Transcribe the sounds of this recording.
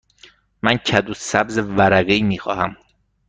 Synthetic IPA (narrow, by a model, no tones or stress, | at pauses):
mæncʰæd̪uːsæbzevæɾæɣeiːmiːxɒ̰ːhæm